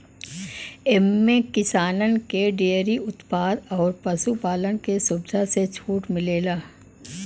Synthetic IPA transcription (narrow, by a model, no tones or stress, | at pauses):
ɛmːẽkɪsaːnənkeɖeəɾiʊt̪paːd̪ɔːɾpɐsupaːlənkesʊbd̪ʱaset͡ʃʰuːʈmɪleːlaː